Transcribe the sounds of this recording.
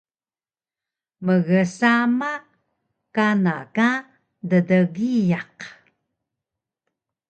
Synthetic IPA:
məɣəsama | kanaka | dədəɣijaq

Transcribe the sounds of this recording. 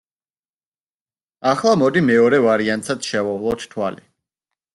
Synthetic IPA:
aχlˠamɔd̪imɛɔɾɛvaɾiant̪sat̪ʃɛvɔvlˠɔt̪ʰt̪ʰwali

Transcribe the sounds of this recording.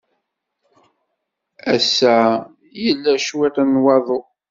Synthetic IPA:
æsæ | jəlːæʃwiɾænwɑðˤo

